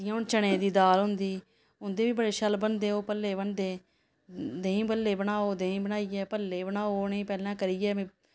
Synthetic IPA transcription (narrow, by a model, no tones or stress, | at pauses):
ɪãːʊnt͡ʃəɽ̃ẽːd̪iːd̪aːlɦʊ̃nd̪iː | ʊnd̪eːʋiːbəɽeːʃəlbənd̪eːoːpəlːeːbənd̪eː | d̪eːĩːbəlːeːbəɽ̃aːoːd̪ẽːĩːbənaːiɛːpəlːeːbənaːoːneːpɛːlãːkəɾiːɛ̃ː